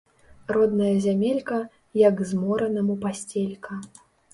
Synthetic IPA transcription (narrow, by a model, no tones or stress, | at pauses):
rɔd̪̚nɐjɐzʲamʲelʲkɐ | jɐɡzmɔɾɐnɐmupasʲt͡sʲelʲkɐ